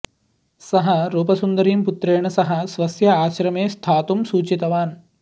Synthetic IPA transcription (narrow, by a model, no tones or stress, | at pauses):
sɐɦɐɾuːpɐsund̪ɐɾiːmput̪ɾeːɳɐsɐɦɐ̆sʋɐsjɐaːʃɾɐmeːst̪ʰaːt̪umsuːt͡ʃit̪ɐʋaːn